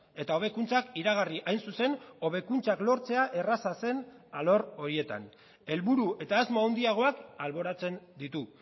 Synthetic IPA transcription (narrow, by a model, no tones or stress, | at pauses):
e̞t̪ao̞β̞e̞kunt͡sakiɾaɣ̞ariʔajnsuse̞no̞β̞e̞kunt͡saklo̞ɾt͡se̞aʔe̞rasase̞nalo̞ɾo̞ɾie̞t̪a̰n | e̞lβuɾue̞t̪aezmoawnd̪iaɣ̞o̞akalβo̞ɾat͡se̞nd̪it̪u